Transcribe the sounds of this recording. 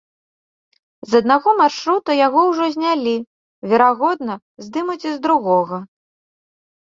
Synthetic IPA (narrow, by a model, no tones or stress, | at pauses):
zɐd̪̚naɣɔmarʂɾut̪ujaɣɔwʐɔzʲnʲalʲi | vʲɛɾaɣɔd̪̚nɐ | zʲd̪ɨmut͡sʲizd̪ɾuɣɔɣɐ